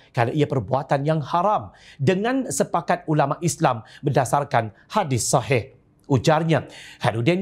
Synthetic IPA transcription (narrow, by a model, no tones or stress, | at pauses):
kanaʔiapərbuat̪anjaŋhaɾamdəŋãnsəpakat̪̚ulamaʔislambədasarkan | hadɪsɑɦɪh | ʔud͡ʒarɲakadudɛn